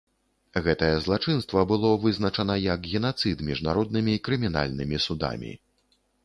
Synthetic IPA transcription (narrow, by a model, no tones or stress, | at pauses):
ɣɛt̪ɐjɐzlˠat͡ʂɨnst̪vɐbɨlˠɔvɨznɐt͡ʂɐnɐjɐkɣʲɛnat̪sɨt̪mʲiʐnaɾɔd̪̚nɨmʲiːkɾɨmʲina̰lʲnɨmʲisud̪a̰mʲḭ